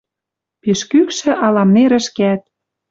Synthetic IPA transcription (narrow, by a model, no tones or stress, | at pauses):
piʃkykʃɘ̆ʔɑlɑmneɾə̆ʃkeæt̪̚